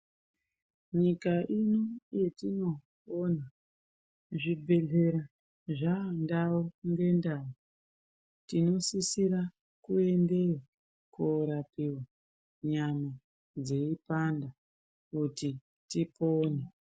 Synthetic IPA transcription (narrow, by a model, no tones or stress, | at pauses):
ɲikaʔinoje̞tino̞ | ona | ʐibʱe̞ɮe̞ɾa | ʐandawoŋɡe̞ndawo | tino̞sisiɾa | kue̞nde̞ | kuɾapiwa | ɲama | d͡ze̞ipanda | kuti | tipoːne